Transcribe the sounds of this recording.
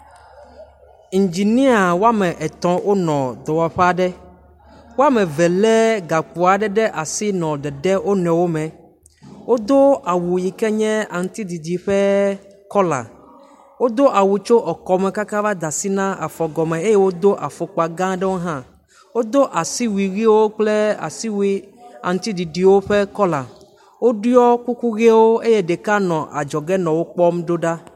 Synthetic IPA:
i˨ɲ˨d͡ʒi˨nĩ˦a˨wo˦a˦mɛ̃˨ʔɛ˨t̪ɔ̃˨wʔo˦nɔ̃˨d̪ɔ˨wa˨ɸɛ˦a˨ɖɛ˦ | wo˦a˦mɛ̃˨vɛ˨lɛ˦ɡa˨ku˨a˨ɖɛ˦ɖɛ˦ʔa˨si˦nɔ̃˨ɖɛ˨ɖɛ˦wo˦nɛ̃˨wo˦mɛ̃˨ | wo˦d̪o˦a˨wu˨ji˨kɛ˦ɲɛ̃˦a˨ŋ̩˦t̪i˦d̪i˨di˨ɸɛ˦ | kɔ˦la̰˨ | wo˦d̪o˦ʔa˨wu˨t͡ʃo˦ʔɔ˨kɔ˨me˨ka˦ka˦va˦d̪a˨si˦nã˦a̰˨fɔ˨ɡɔ˨mẽ˨e˦je˦wo˦d̪o˦ʔa˨fo˨k͡po˨a˨ɡã˦ɖɛ˦wo˦ɦã˦ | wo˦d̪o˦ʔa˨si˦wi˨ɣi˦wo˦k͡ple˦a̰˨si˦wi˦a˨ŋ̩˨t̪i˦d̪i˨ɖi˨wo˦ɸe˦kɔ˦la˨ | wo˦ɖu˦ɔ˦ku˦ku˦ɣe˦wo˦e˦je˦ɖe˨ka˦nɔ̃˨ʔa̰˨d͡ʒɔ˨ɡɛ˦nɔ̃˨wo˦k͡pɔ˦mɖo˦ɖa˦

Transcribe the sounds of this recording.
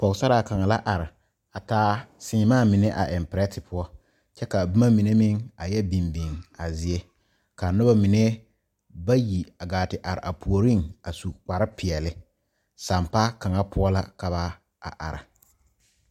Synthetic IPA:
pɔ˨ksa˦ɾa˨ka˨ŋa˨la˦ʔa˨ɾɪ˨ | a˨taː˦sɪ˦ŋɪ˨˦maː˦˨mɪ˨ne˦ʔa̰˨ʔɛ˨mpɾɛ˦tɪ˨pʊ˦ɔ˦ | t͡ʃɛ˦ka˨bu˦ma˦mi˨ne˦mɪ˦ŋa˨jɛ˦bi˨mbɪ˨ŋa˨zɪ˨e˦ | ka˨nʊ˦ba˦mɪ˨ne˦ | ba˦ji˨a˨ɡaː˨tɪ˨ʔa˨ɾɪ̰˨ʔa˨pʰu˨o˨ɾi˦ŋa˨su˨k͡pa˨ɾɪ˦pɪ˨ɛ˨lɪ˦ | sa˨mpa˦ka˨ŋa˦pʰʊ˦ɔ˦la˦ka˨βa˦ | a˨ʔa̰˨ɾɪ̰˨

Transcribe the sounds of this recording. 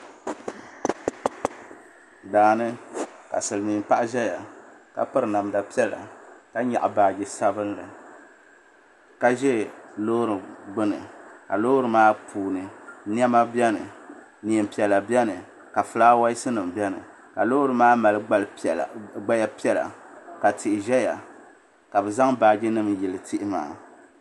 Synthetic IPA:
daː˨nɨ˦ka̰˨sɨ˨lɨ˨miː˨mpa˦ʔʒɛ˦ja˨ka̰˨pɨ˦ɾɨ˨na˨mda˨pi˦ɛ˦la̰˨ka˦ɲa̰˨ʔa˨baː˨ɡɪ˨sa˦bɨ˦n˦lɨ˨ | ka˦ʒɛ˦lo˦ɾɨ˨ɡ͡bɨ˦nɨ˨ka̰˨lo˦ɾɨ˨maː˦pʰuː˨nɨ˨ni˦ɛ˦ma˦bjɛ˦nɨ̰˨ | ni˨ɛ˨mpi˨ɛ˨la˨bjɛ˦nɨ˨ | ka˨fɨ˦laː˦wa˦ɪ˦sɨ˦nɨ˨mbjɛ˦nɨ̰˨ | ka˨lo˦ɾɨ˨maː˦ma˨lɨ˦lɡ͡ba˦ja˦pi˦ɛ˦la̰˨ka˨tʰɪ˨ʔɪ˨ʒɛ˦ja̰˨ | ka˨bɨ˨za˦ŋbaː˨ɡɪ˦nɨ˦mjɪ˨lɨ˨tʰɪ˦ʔɪ˦ma̰ː˨˦˨

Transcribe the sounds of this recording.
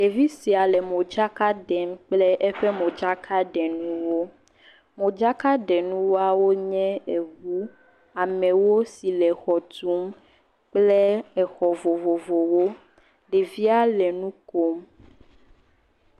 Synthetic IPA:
ɖe˨vi˦si˨a˨lɛ˨mõ˨d͡ʒa˦ka˦ɖɛ˨mk͡plɛ˦ʔɛ˦ɸɛ˦mõ˨d͡ʒa˦kʰa˦ɖɛ˨nũ˦wo˦ | mõ˨d͡ʒa˦ka˦ɖɛ˨nũ˦wo˦a˦wo˦ɲɛ̃˦e˨ɣwu˦ | a˨mɛ̃˨wo˦si˨lɛ˨xɔ˨t̪u˦m | k͡plɛ˦ɛ˨xɔ˨vo˨vo˨vo˨wo˦ | ɖe˨vi˦a˦lɛ˨nũ˦ko˦m

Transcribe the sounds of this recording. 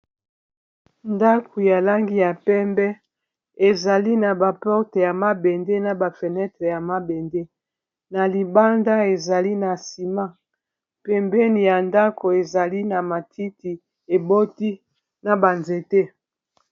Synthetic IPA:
nda˦kʰu˨ja˨la˦ŋɡi˦ja˨pɛ˦mbɛ˦ | e˨za˨li˦na˨ba˨pɔ˦ʁte˨ja˨ma˦be˨nde˦na˨ba˨fe˨nɛ˦tʁe˨ja˨ma˦be˨nde˦ | na˨li˨ba˦nda˦e˨za˨li˦na˨si˨ma˦ | pɛ˨mbɛ˦ni˨ja˨nda˦ko˨e˨za˨li˦na˨ma˨tʰi˦ti˨ | e˨bo˦ti˦ | na˨ba˨nze˨te˦

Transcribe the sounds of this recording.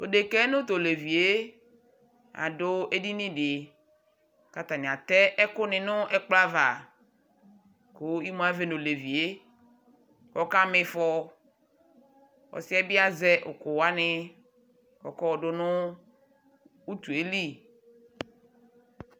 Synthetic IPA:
po˨de˨kɛ˦nʊ̃˦t̪o˨le˨vi˨e˦ | a̰˨dʊ˦e˦di˦nĩ˦dɪ˨ | ka˨t̪a˨nɪ̃˨a˨t̪ɛ˦ʔɛ˦kʊ˦nɪ̃˨nʊ˦ɛ˦k͡pla˦va˨ | ko˦i˦mõ˦a˦ve˨no˨le˨vi˨e˦ | kɔ˦ka˦mɪ˨fɔ˦ | wɔ̰˨sɪ˦ɛ˦bɪ˦a˦zɛ˦ʔʊ˨kʊ˨wa˦nɪ˦ | kɔ̰˨kɔ˦wɔ˨ɖʊ˦nʊ˦ | u˦t̪u˨e˦li˦˨

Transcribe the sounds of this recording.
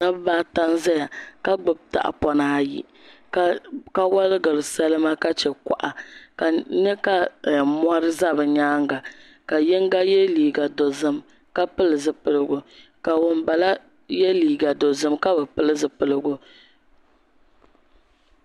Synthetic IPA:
na˦bbaː˦ta˦nzɛ˦ja˨ka˦ɡ͡bɨ˨b̚ta̰˨ʔa̰˨pɔ˦naː˦jḭ˨ | ka˦ka˦wa˦lɨ˦ɡɨ˨ɾɨ˨sɛ˦lɨ˦ma˦ka˦t͡ʃɛ˨ka̰˨ʔa˨ka˨ɲɛ˦ka˦˨m˦a˦ɾɨ˦za˦bɨ˨ɲaː˦ŋ˦ɡa˨ | ka˨jɛ˦ŋ˦ɡa˦jɛ˦liː˨ɡa˨do˨zɨ˦m | ka˦pɨ˦lɨ˨zɨ˨pɨ˨lɨ˦ɡʊ˨ka˨wʊ˨mba˨la˦ | jɛ˦liː˨ɡa˨do˨zɨ˦mka˦bɛ˨pɨ˦lɨ˦zɨ˨pɨ˨lɨ˦ɡʊ˦

